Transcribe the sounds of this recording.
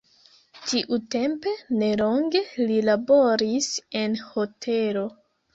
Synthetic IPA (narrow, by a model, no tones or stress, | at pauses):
tiʔute̞mpe̞ne̞lo̞ŋɡe̞lilabo̞ɾise̞nho̞tʰe̞lo̞